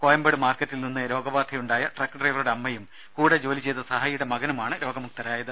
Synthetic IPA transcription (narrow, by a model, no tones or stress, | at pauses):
koːjɐmbeɽɨmaːrkːɐtːilninːɨɾo̞ːɡɐbaːd̪ʰʱɐjuɳɖaːjɐʈrɐkːʈrejʋɐɾuɽeɐmːɐjum | kuːɽɐd͡ʑo̞ːlit͡ɕe̞jt̪ːɐsɐɦaːjuɽemɐɡɐnumaːɳɨɾo̞ːɡɐmuk̚t̪ɐɾaːjɐðɨ